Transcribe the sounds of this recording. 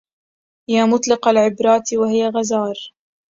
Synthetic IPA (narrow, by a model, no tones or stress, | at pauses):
jaːmʊt̪ˤlɪqalʕɪbɾˤɑːt̪wahɪjaɣazɑːɾˤ